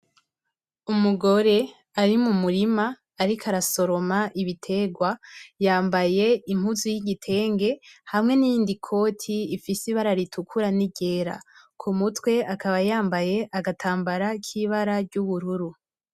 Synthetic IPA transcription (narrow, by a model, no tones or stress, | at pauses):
umuɡo̞ɾe̞ | aɾimumuɾimaː | ɾikʰaɾaso̞ɾo̞maʔiβitʰe̞ɡwajaːmbaje̞imhuzujiɟitʰe̞ːŋɡe̞hamŋe̞nijiːndikʰo̞ːtʰiːfisiβaɾaɾitʰukʰuɾaniɟe̞ːɾa̰ | kʰumutwe̞akaβajaːmbaje̞ʔaɡatʰaːmbaɾakʰiβaɾaɾɟuβuɾuɾu